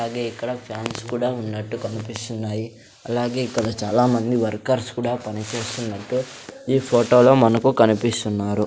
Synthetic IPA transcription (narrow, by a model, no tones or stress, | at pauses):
aːɡe̞ːikːɐɽɐpʰjaːnskuːɽaːunːɐʈːukɐnipist̪unːaːji | ɐlaːɡe̞ːikːɐɽɐt͡ʃaːlaːmɐnd̪iʋɐɾkɐɾskuːɽaːpɐnit͡ʃe̞ːst̪unːɐʈːuiːpʰoːʈo̞ːlo̞ːmɐnɐkukɐnipist̪unːaːɾu